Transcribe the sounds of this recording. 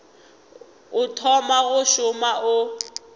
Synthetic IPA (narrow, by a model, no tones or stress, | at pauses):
ʊtʰɔmaɣʊʃʊmaʔʊ